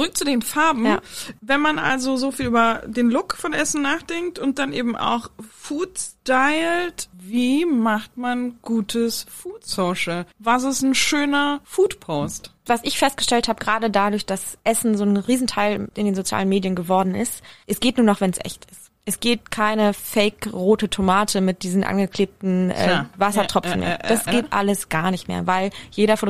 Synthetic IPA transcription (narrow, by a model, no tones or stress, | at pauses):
t͡sʊʁʏk̚t͡sudeːnfaɐbm̩javɛnmanʔa̰lzozofiːlʔyːbɐdeːnlʊkfɔnʔɛsn̩naːχd̥ɛŋk̚tʊnt̚d̥anʔeːbm̩ʔa̰ʊxfuːtstaɪltviːmaχtmanɡ̥uːtʰəsfuːtsoːʃəvas̬ɛsn̩ʃøːnɐfuːtpʰoːstvasɪçfɛst̚ɡ̥ə̥ʃtɛlthaːbəɡʁaːdədadʊɐçd̥asʔɛsn̩zoːnʁiːzn̩tʰaɪlʔɪndeːnzot͡sja̰ːlənmeːdjənɡəvɔɐdn̩ɪ̰stʔɛsɡ̥eːtnuːɐnɔχv̥ɛnsʔɛ̰çtɪst | ʔɛsɡ̥eːtkʰaɪnəfɛɪkʁoːtətʰomaːtʰəmɪt̚d̥iːzn̩ʔa̰nɡəkʰl̥eːp̚tn̩ʔɛ̰ːvasɐtʁ̥ɔfn̩mḛːɐd̥asɡ̥eːtʔa̰ləsɡ̥aːɐnɪçtmḛːɐvaɪljeːɾɐfot